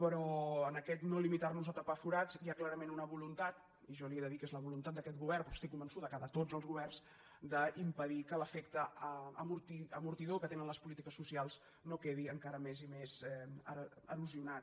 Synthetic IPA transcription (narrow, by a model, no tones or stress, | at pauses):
pəɾɔənəkɛt̪nolimit̪arnuzət̪apafuɾaziaklaɾəmenunəβulunt̪at̪ | iʒɔlieðəðikezləβulunt̪at̪̚d̪əkɛt̪̚ɣuβɛɾrpɾɔkst̪ikːumbənsuðəkaðət̪od͡zəlˠzɣuβɛrnz̥ | d̪əimpəðikələfɛkt̪əəmuɾt̪iəmuɾt̪iðokət̪enənləspulit̪ikəsːusialˠz | nokeðiəŋkaɾəmezimezɛəəɾuziunat̪